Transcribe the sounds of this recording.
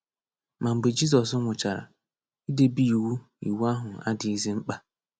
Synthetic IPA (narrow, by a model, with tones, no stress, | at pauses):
ma˨m̩˨ɡ͡be˨d͡ʒi˦z̬ɔ˨s̬ʊ˦ŋʷʊ˨t͡ʃa˨ɾa̰˨ | i˦de˦bi˦i˨wu˦ | ḭ˨wu˦a˦ɦʊ˨a̰˦dɪ˨i˦zi˦ŋ͡m̩˦k͡pa˦